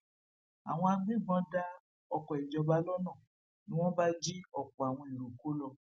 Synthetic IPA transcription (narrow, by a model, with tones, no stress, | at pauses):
a˨w̃ɔ̃˧a˧ɡ͡bĩ˦˨ɡ͡bɔ̃˨˦da˦ | ɔ˧kɔ˨i˨d͡ʒɔ˧ba˧˦lɔ˦nã˦˨ | nĩ˦w̃ɔ̃˦ba˦d͡ʒi˦ɔ˦˨kɔ˨a˨w̃ɔ̃˧i˨ɾu˨ko˨˦lɔ˧